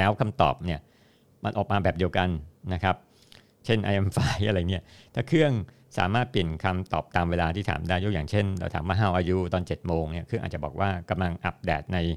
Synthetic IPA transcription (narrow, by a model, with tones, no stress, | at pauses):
lɛː˦˥wkʰa˧mt̪ɔ̰ː˨˩p̚ni˥˩ɐ | ma˧nʔɔː˨˩k̚maː˧bɛː˨˩p̚di˧əwka˧nna˦˥kʰa˦˥p̚ | t͡ɕʰe˥˩nʔa̰˧ʔe˧mfaː˧˥jʔa˧ɾa˧˨˩ni˦˥ɐt̪ʰaː˨˩kʰɯ˥˩əŋ | sa̰ː˩˦maː˥˩t̪̚pi˨˩ənkʰa˧mt̪ɔː˨˩p̚t̪aː˧mweː˧laː˧t̪ʰiː˥˩t̪ʰa̰ː˩˦mdaː˥˩ju˦˥˩kjaː˨˩ŋt͡ɕʰe˥˩nɾaː˧t̪ʰa̰ː˩˦mwaː˥˩ɦaː˥˩wʔaː˧ju˦˥t̪ɔː˧nt͡ɕe˨˩t̪̚moː˧ŋni˥˩ɐkʰɯ˥˩ŋʔa̰ː˨˩t͡ɕa˨˩bɔ̰ː˨˩k̚wʔaː˥˩ka˧mla˧ŋʔa˦˥p̚dɛː˨˩t̪̚na˧j